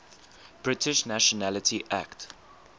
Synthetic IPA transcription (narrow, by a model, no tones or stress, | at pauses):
b̥ɹɪtʰɪʃnaʃɔnalətʰiʔa̰kt